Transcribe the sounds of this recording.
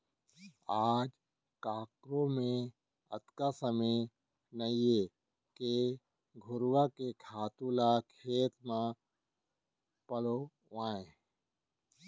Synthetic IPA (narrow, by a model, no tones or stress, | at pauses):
aːd͡ʒ | kaːkɾõmẽ | ə̰t̪kasəməj | nəje | ke | ɡʱʊɾwakekʰaːt̪ulakʰeːt̪mã | pəlo | ʋaːẽ